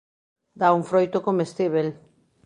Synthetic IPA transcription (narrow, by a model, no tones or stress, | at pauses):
d̪auɱfɾojt̪okomest̪iβel